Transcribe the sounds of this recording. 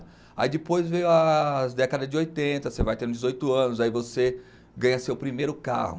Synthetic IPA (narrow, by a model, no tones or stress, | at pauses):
a̰id͡ʒ̪ɪpojzvejʊɐzd̪ɛkɐd̪ɐd͡ʒɪojt̪ẽnt̪ɐsevajt̪ẽɾũd͡ʒɪzojt̪ʊɐ̃nʊzaivose | ɡɐ̃ɲɐsewpɾimejɾʊka̰hʊ̰